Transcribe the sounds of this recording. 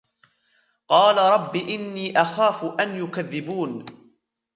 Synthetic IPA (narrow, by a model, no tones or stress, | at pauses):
qɑːlaɾˤɑbːiːʔɪnːiːʔaxaːfʊʔanjʊkaðːɪbuːn